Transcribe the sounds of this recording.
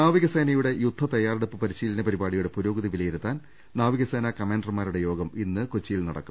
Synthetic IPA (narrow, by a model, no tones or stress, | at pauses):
naːʋiɣɐseːnɐjuɽe̞jud̪ʱːɐt̪ɐjaːreɽupːɨpɐɾiɕiːlɐnɐpɐɾibaːɽijuɽe̞puɾoːɡɐðiʋilɐjiɾut̪ːaːn | naːʋiɣɐseːnɐkɐmeːɳɖrmaːɾuɽe̞jo̞ːɡɐminːɨkot͡ɕːijilnɐɽɐ̰kːu̥